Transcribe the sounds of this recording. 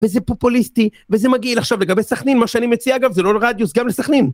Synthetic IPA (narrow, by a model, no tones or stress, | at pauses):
vezepo̞pulistivezemaɡilaχʃavle̞ɡabesaχninmaʃeanimet͡siaɡavzelo̞ʁad̪jusɡamlesaχnin